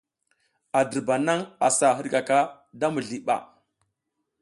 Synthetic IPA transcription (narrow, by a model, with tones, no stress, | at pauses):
a˨də˨ɾba˨na˦ŋa˨sa˨ɦə˦ɾka˨ka˦ | da˦mə˨ɮi˨ɓa̰˨